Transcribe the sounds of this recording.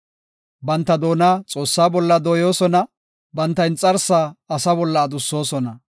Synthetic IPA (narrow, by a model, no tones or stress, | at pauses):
bɐnt̪ːɐd̪o̞ːnaːt͡sʼo̞ːsːaːbɔlːɐd̪oːjo̞ːsɔnɐ | bɐnt̪ːɐɪnt͡sʼɐɾsːaːɐsɐbɔlːɐːd̪ʊsːo̞ːsɔnɐ